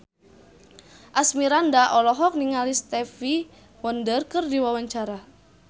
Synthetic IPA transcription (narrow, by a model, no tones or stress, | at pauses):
ʔasmiɾandaʔɔlɔɦɔk̚niŋalist̪ɛfi | wɔndərkərdiwawaɲt͡ʃaɾa